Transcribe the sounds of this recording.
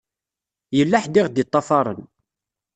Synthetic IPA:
jəlːaħd̪ɪʁd̪it̪ˤːɑfɑɾˤə̰n

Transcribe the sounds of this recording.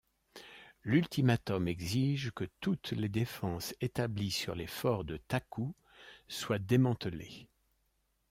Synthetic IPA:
lylt̪imat̪ɔmɛɡziʒkət̪ut̪led̪efɑ̃set̪ablisyʁlefɔʁd̪ət̪aku | swad̪emɑ̃t̪əle

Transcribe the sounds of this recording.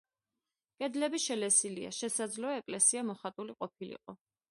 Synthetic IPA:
kʼɛd̪lɛbiʃɛlɛsilia̰ʃɛsad̪zlɔɛɛkʼlɛsiamɔχat̪ʼuliqʼɔpʰilḭqʼɔ

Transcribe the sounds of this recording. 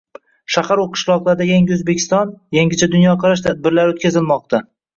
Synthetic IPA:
ʃaχaɾuwqʰɨ̥ʃlˠɒqlˠaɾd̪ajaŋɡʲɪɵzbekʲʰɪ̥st̪ɒnjaŋɡʲɪt͡ʃʰad̪ʊnjɒqʰɑɾaʃ̬t̪ʰad̪̚bɪɾlaɾot̪kʲazɪlmɒq̚t̪ʰa

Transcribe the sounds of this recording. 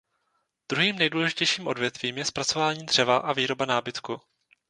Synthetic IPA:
d̪̥ɾuɦiːmnɛjduːlɛʒɪcɛjʃiːmʔo̞dvjɛt̪v̥iːmjɛspɾat͡so̞vaːɲiːd̪r̝̥ɛvaʔaviːɾo̞banaːbɪt̪ku

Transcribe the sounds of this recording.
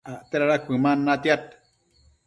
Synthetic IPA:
aʔt̪eɾaɾakʷɨmanːat̪jat̪

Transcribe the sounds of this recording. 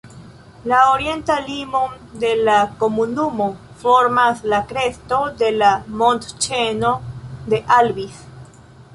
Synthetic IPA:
laoɾjent̪alimo | d̪elakomunumo | foɾmaslakɾest̪o̞d̪elamõnt̪t͡ʃenod̪eʔalβis

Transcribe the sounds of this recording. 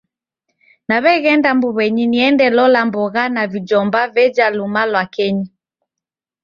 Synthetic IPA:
naβɛɣɛndambuβɛɲiniɛndɛlɔlambɔɣanavid͡ʒɔmbavɛd͡ʒalumalwakɛɲi

